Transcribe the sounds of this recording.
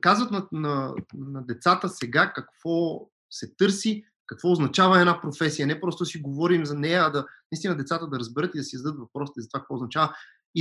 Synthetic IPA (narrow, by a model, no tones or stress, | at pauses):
kazvət̪nɐnɐnɐd̪ɛt̪sat̪əsɛɡakɐkv̥ɔ | sɛt̪ɤɾsi | kɐkvɔʊznɐt͡ʃavɐɛd̪apɾofɛsijənɛpɾɔst̪ʊd̪ɐsiɡovɔɾimzɐnɛjəːd̪ɐnɐist̪inɐd̪ɛt̪sat̪əd̪ɐɾɐzbɛɾɤt̪id̪ɐsizɐd̪ət̪vɐpɾɔsit̪izɐt̪vak̚əkvɔːznɐt͡ʃavə | i